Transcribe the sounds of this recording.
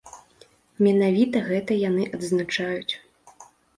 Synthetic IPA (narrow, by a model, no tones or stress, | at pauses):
mʲɛnavʲit̪ɐɣɛt̪ɐjan̪ɨʔɐd̪znat͡ʂajut͡sʲ